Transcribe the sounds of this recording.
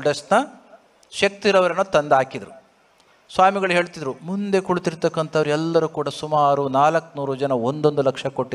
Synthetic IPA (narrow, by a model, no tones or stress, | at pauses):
ɖɐsnɐ | ʃɐk̚t̪iɾɐʋɐɾenːoːt̪ɐnd̪aːkid̪ɐɾu | sʋaːmiɡɐɭɦeːɭt̪id̪ɐɾumund̪e̞kuɭut̪iɾt̪ɐkːɐnt̪ʰɐʋɐɾuɛlːɐɾukuːɽɐsumaːɾunaːlɐkːnuːɾud͡ʒɐnɐond̪o̞nd̪ulɐkʂɐko̞ʈːi